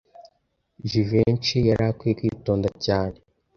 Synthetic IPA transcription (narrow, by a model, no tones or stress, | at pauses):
ʒivent͡ʃijaɾakwikwḭːtoːndacaːne